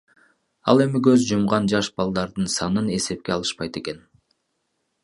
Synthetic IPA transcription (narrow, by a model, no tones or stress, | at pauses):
ɑ̰lˠe̞mɪkøzd͡ʒumʁɑnd͡ʒɑʃbɑlˠd̪ɑɾd̪ɯnsɑnɯne̞se̞p̚ke̞ɑlˠɯ̥ʃpɑjt̪e̞ke̞n